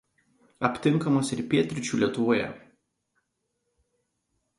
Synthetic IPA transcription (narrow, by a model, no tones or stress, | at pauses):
ɐpʲt̪ʲɪŋˑkɐmɐsɪɾpʲiɛt̪ʲɾʲɪt͡ʃʲuːlʲiɛt̪ʊʋoːjɛ̰